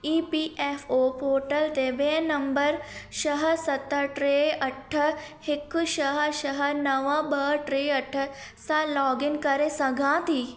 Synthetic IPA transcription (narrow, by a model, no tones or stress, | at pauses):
iːpiʔefoːpoːʈəlt̪eːbeːnɐmbəɾʃɐɦəsɐt̪ːəʈɾeːɐʈʰːəhɪkːʃɐɦəʃɐɦənɐʋabəʈɾeːɐʈʰːə | salɔːɡɪnkɐɾẽsɐɡʱãːt̪iː